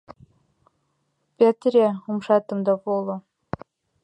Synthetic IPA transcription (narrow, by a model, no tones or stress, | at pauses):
pʲet̪ɾʲeumʃɑt̪ɤ̆md̪ɑpolˠɤ̆